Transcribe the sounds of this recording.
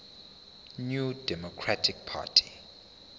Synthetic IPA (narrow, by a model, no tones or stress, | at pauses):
njudɛmɔkʰɹatʰik̚pʰa̰tʰi̥